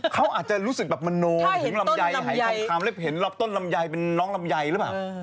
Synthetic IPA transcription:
kʰa˦˥wʔaː˨˩t̪̚t͡ɕa˨˩ɾuː˦˥sɯ˨k̚bɛː˨˩p̚ma˧noː˧˨˦la˧˥ja˧jɦa˨˦a˨˦˧aː˧˩mle˦˥˩p̚he˩˦nlɔː˦˥˩p̚t̪o˥˩nla˧mja˧jpe˧nːɔː˦˥ŋla˧mja˧jlɯ˦˥paː˨˩w

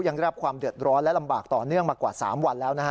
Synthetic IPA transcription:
ja˧ŋdɾa˦˥kʰwaː˧mdɯ˨˩ət̪̚ɾɔː˦˥nlɛ˦˥la˧mbaː˨˩k̚t̪ɔː˨˩nɯ˥˩əŋmaː˧kwaː˨˩saː˩˦mwa˧nlɛː˦˥wna˦˥a˦˥

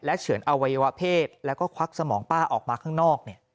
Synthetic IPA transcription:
lɛ˦˥t͡ɕʰɯ˨˩˦ənʔa˧wa˧ja˧wa˦˥pʰeː˥˩t̪̚lɛ˦˥wkɔː˥˩kʰa˦˥k̚sa˧mɔː˩˦ŋpaː˥˩ʔɔː˨˩k̚maː˧kʰaː˥˩ŋnɔː˥˩k̚ni˥˩ɐ

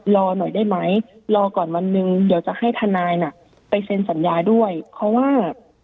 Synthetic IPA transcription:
lɔː˧nɔ˨˩jdaː˥˩jma˦˥jlɔː˧kɔː˨˩nwa˧nːɯ˧ŋdiː˨˩˦wt͡ɕa˨˩ha˥˩jt̪ʰa˧naː˧jna˨˩ | pa˧jse˧nsa˩˦njaː˧du˥˩əjpʰɾɔ˦˥waː˥˩

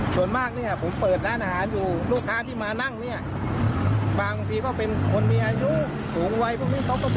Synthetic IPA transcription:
su˨˩ənmaː˥˩k̚ni˥˩ɐpʰo˩˦mpɤː˨˩t̪̚daː˦˥˨nʔaː˧ɦaː˩˦njuː˨˩luː˥˩kʰːaː˧˥˩t̪ʰiː˥˩maː˧na˥˩ŋni˥˩ɐ | baː˧ŋba˧ŋt̪ʰiː˧kɔː˥˩pe˧nkʰo˧nmiː˧ʔaː˧ju˦˥ | suː˨˦ŋwa˧jpʰɔ˧˥˩miː˧˥˩t̪ɔ˦˥k̪̚ɔ˧

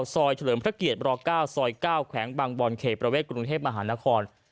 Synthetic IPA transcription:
wsɔː˧jt͡ɕʰa˧lɤː˩˦mpʰɾa˦˥ki˨˩ət̪̚ɾɔː˧kaː˥˩wsɔː˧jkaː˥˩wkʰwɛː˩˦ŋbaː˧ŋbɔː˧nkʰeː˨˩pɾa˧weː˥˩t̪̚kɾu˧ŋt̪ʰeː˥˩p̚ma˧ɦaː˩˦na˦˥kʰɔː˧n

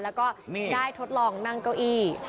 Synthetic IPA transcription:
lɛː˦˥wkɔː˥˩˥daː˥˩jt̪ʰo˦˥t̪̚lɔː˧˩ŋna˥˩ŋka˧˩wʔiː˧˩

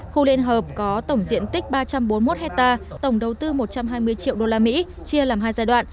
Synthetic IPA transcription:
xu˧lḭ˧˨ənɦəː˨˩p̚kɔ˨˦t̪ə˧˩wŋ͡mzḭ˧˨ənt̪ï˦˥k̟̚ɓaː˧t͡ɕa˧mɓo˨˦nmo˦˥t̚hɛ˦˥k̚t̪aː˧t̪ə˧˩wŋ͡mɗə˨˩wt̪ɨ˧mo˨˩t̚t͡ɕa˧mɦaː˧jmɨ˧əjt͡ɕḭ˧˨əwɗo˧laː˧mḭ˧˥ | t͡ɕi˧əlaː˨˩mɦaː˧jzaː˧jɗwa̰ː˧˨n

